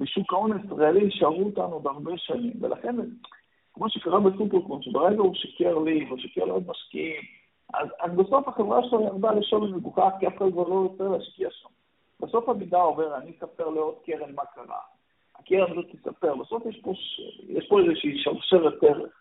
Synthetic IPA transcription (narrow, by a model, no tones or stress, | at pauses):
beʃukaonaisʁaeliʃaʁuot̪anudaʁbe̞ʃanimvelʔa̰χe̞n | kmoʃekaʁabesupeʁkonʃebeʁeɡauʃakeʁlivoʃakeʁleodmaʃkḭim | a̰zazbeso̞faχevʁaʃelaniaʁd̪aliʃolbemiɡuχaχkiafkaldkvaʁlo̞jot͡seleaʃkiaʃam | b̥eso̞famidao̞ve̞ʁanisapeʁleod̪̚keʁemmakaʁa̰ | akeʁenizot̪isape̞ʁbaso̞fjeʃpo̞ʃjɛ̰ʃpoezeʃiʃavʃeʁet̪eʁeχ